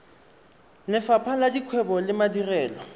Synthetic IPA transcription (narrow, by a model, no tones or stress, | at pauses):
nɪfapʰaladikʰwɛbɔlɪmadirɛːlɔ